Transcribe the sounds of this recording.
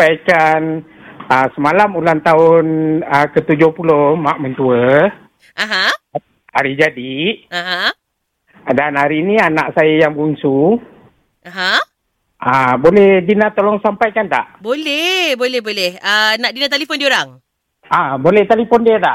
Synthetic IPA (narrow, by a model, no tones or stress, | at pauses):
ajkan | əsəmalamulant̪aʊnəkət̪ud͡ʒohpulohmaʔmənt̪uə | aɦã | aɾid͡ʒadiãɦã | danaɾinianaʔsajajaŋbuŋsu | aɦã | ʔabolɛhdinat̪olɔŋsampajkant̪a̰ʔbolɛhbolɛhbolɛhənãʔdinãt̪alifɔndioɾaŋ | ʔabolɛht̪alifɔndiət̪aʔ